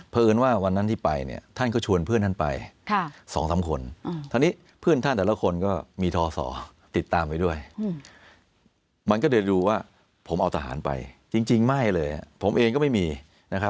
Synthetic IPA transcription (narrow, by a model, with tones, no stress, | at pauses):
pʰaː˧ʔɯː˧nwaː˥˩wa˧nːa˦˥nt̪ʰiː˥˩pa˧jnḭ˥˩ɐt̪ʰa˥˩nkɔː˥˩t͡ɕʰu˧ənpʰɯ˥˩nt̪ʰa˥˩pa̰˧jʰsɔ̰ː˩˦ŋsa˩˦mkʰo˧nt̪ʰa˧niː˦˥ | pʰɯ˥˩nt̪ʰa˥˩nt̪ɛː˨˩la˦˥kʰo˧nkɔː˥˩miː˧t̪ʰɔː˧sɔ̰ː˩˦ | t̪i˨˩t̪ːaː˧mpa˧jdu˥˩əj | ma˧nkɔː˥˩dɤː˧duː˧waː˥˩ | pʰo˩˦mʔa˧wt̪ʰa˧ɦa̰ː˩˦npa̰˧jt͡ɕi˧ŋt͡ɕi˧ŋma˥˩jlɤː˧ja̰˨˩pʰo˩˦mʔeː˧ŋkɔː˥˩ma˥˩jmiː˧ | na˦˥kʰa˦˥p̚